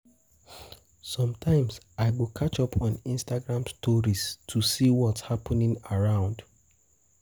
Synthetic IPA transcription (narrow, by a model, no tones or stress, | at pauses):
sɔ̃mtʰãɪ̃ms | aɪɡokʰat͡ʃɔpʰɔ̃nĩnstaɡɹãmstɔɹistʰusiwɔtshapɔnĩŋaɹãʊ̃nd